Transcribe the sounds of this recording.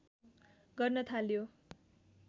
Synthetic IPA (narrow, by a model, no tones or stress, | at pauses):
ɡʌrnʌt̪ʰaljo